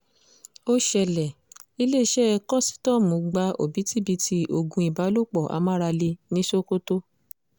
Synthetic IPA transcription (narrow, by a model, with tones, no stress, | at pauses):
o˦ʃɛ˧lɛ˨i˧le˦i˧ʃɛ˦˧kɔ̃˦si̥˦tɔ˦˨mõ˨˧ɡ͡ba˧˦o̰˨bi˨˦ti˦bi˧ti˧˦ʔo˧ɡũ˦i˨ba˨˦lo˦˨k͡pɔ˨ʔa̰˨˦mã˦ɾa˧le˧nĩ˦ʃo˦ko˦to˦